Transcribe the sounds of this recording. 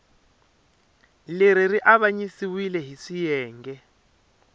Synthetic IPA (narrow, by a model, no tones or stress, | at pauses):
leɾiriʔaβaɲisiwilɛɦiʂijɛːŋɡɛ